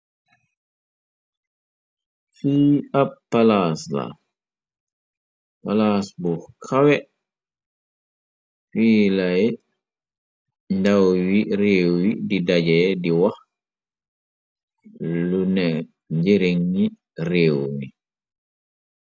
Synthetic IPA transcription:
fiːapːalaːsla̰ | palaːsbukʰawɛ | fiːlaj | ndawwireːwwididaɟɛdiwax | lunɛ | ɲd͡ʒeɾeŋːi | reːwni

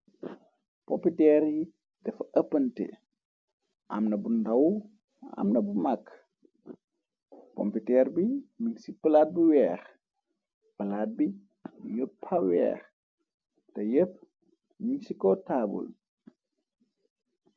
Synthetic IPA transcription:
pɔmpitɛɾi | d̥ɛfɐʔəpːɐntɛ̰ | ʔa̰mnɐbundɐw | a̰mnɐbumakː | pɔ̰mpitɛːɾbimiksipəlat̚buwɛːx | pɐlaːt̚bi | jəpʰːawɛ̰ːx | tɐjəp̚ | miŋsikɔtaːbṵl

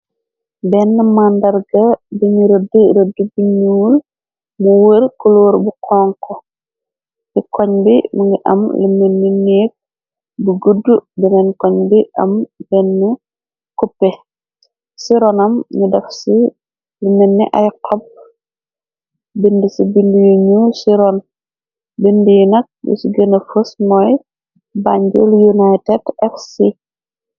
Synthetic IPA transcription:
bɛnːɛmandɐrɡɐbiɲiɾədɾədubiɲiwul | muwəɾkuloːɾbukʰɔːŋkɔ | kikɔɲbimuŋɡiʔɐ̰mlimenːineːk̚ | buɡudːubɛnɛnkɔɲbiʔɐ̰mbɛnːu | kupːɛ | siɾɔnɐmɲudɛfsi | limenːḭʔɐjqʰɔb̚ | bindisibindujuɲusiɾɔn | bindijnɐk̚bɛ̰siɡənɐfəsmɔːj | baɲɟo̰ljunajtɛtɛfsi

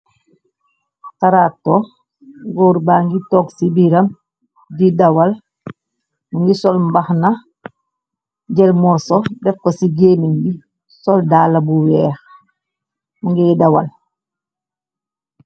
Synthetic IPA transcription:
taɾaːtːo | ŋɡɔɾbaːŋɡitɔksibiɾam | didawal | muŋɡisɔlmbaxna | ɟɛlmɔɾsɔdɛfkːosiɡeːniŋɡi | sɔldaːlabuwɛːx | muŋɡidawa̰l

